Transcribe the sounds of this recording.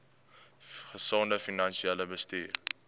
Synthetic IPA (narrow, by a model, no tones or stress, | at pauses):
χəsɑːndəfinɐnʃiɛləbəstḭːr